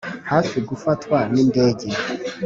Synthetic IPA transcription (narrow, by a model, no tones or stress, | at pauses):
haːfiɡufatwaninde̞ːɟe